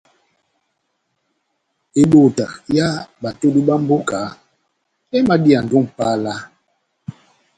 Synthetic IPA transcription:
e˨ɗo˨ta̰˨ja˦ba˨to˦di˦ɓa˦m̩˦bo˦ka˨˦ | ɛ˦ma˦di˦a˨n̩˨du˦˨ŋ˨pa˦la˦

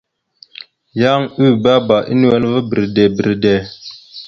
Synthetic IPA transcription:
ja˦ŋʉ˦˨ba˦ba˨ʔḭ˦n˦ɛ˦n˦və˦bə˨ɾdɛ˨bi˨ɾdɛ˨

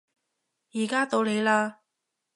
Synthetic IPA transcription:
jiː˨˩kaː˥t̪o˧wle˨˧jlaː˧

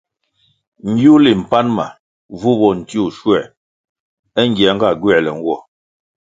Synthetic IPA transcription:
ŋ˨˦ɡju˦li˨m̩˨pa˦nma̰˨ | vu˦bɔ˨n̩˨ti˦u˨ʃwɛ˨ | ɛ˦ŋ˦ɡɛ˨˦ŋ̩˦ɡa˦˨ɡɥɛ˦˨lɛ˨ŋ̩˦ɡwɔ˦˨

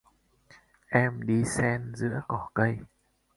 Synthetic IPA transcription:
ʔɛ˧mɗi˧sɛ˧nzɨ̰˧˥əkɔ˧˩kə˧j

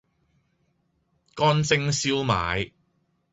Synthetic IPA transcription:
kɔː˥nt͡sɪ˥ŋsiː˥wma̰ː˨˧j

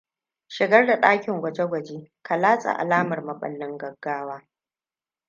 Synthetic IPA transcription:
ʃɪ˨ɡɐ˦rda˨ɗaː˦kʲɪ˨ŋɡʷɐ˨d͡ʒe˦ɡʷɐ˨d͡ʒeː˦kʰa˨laː˦sʼa̰˨ʔa̰˨laː˦mɐ˨rmɐ˨ɓɐ̰˦lːɪ˦ŋɡɐ˨ɡ̥ːaː˦waː˦

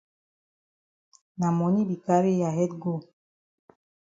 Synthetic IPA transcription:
na˨mɔ˨ni˦bi˨ka˦ɾi˦ja˨ɦɛ˦t̚ɡo˦

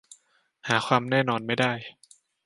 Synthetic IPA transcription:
haː˩˦xʰwaː˧mnɛː˥˩nɔː˧nma˥˩jdaː˥˩j

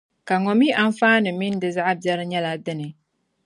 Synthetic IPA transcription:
ka˨ŋɔ˦mi˦ʔa˦n˦faː˦nɨ˨mi˦n˦dɨ˨za˦ʔa˦bɛ˦ɾɨ˦ɲɛ˦la˦dɨ˦nɨ˨

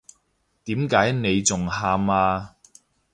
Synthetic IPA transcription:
t̪iː˨˥mkaː˨˥jne˨˧jt͡sʊ˨ŋhaː˧maː˧

